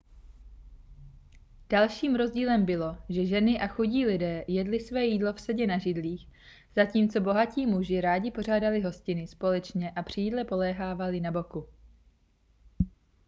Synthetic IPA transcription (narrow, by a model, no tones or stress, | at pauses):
d̥alʃiːmɾo̞zɟiːlɛmbɪlo̞ʒɛʒɛnɪʔaxuɟiːlɪdɛːjɛdlɪsvɛːjiːdlo̞fsɛɟɛnaʒɪdliːx | z̥aciːmt͡so̞bo̞ɦaciːmuʒɪɾaːɟɪpo̞r̝aːdalɪɦo̞scɪnɪspo̞lɛt͡ʃɲɛʔapr̝̥ijiːdlɛpo̞lɛːɦaːvalɪnabo̞ku